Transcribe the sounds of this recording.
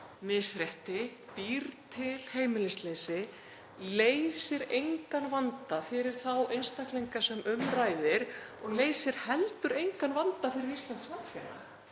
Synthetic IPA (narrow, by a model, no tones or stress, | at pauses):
mɪsɾɛht̪ɪpiɾt̪ʰɪl̥heːjmɪlɪslejsɪ | leːjsɪɾejŋkanvant̪afɪɾɪɾ̥θawejnst̪ahklejŋkasɛmʏmraːjðɪɾɔɣleːjsɪɾ̥hɛlt̪ʏɾejŋkanvant̪afɪɾɪɾist̪ant̪smafjɛnːa̰